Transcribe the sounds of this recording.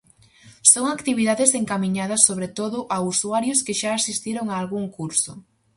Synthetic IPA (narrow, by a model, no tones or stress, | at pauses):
soŋakt̪iβiðaðɪseŋkamĩɲaðɐsːoβɾet̪oðʊʔausuaɾjʊskɪʃaːsist̪iɾoŋaːlɣuŋkuɾsʊ